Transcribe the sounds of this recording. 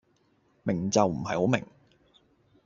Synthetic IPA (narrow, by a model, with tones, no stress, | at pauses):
mɪ˨˩ŋt͡sɐ˨wm̩˨˩ɦɐ̰˨jho˨˥wmɪ̰˨˩ŋ